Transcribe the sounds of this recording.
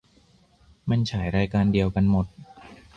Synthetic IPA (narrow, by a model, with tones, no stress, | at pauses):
ma˧nt͡ɕʰaː˩˦jɾaː˧jkaː˧ndi˧əwka˧nmo˨˩t̪̚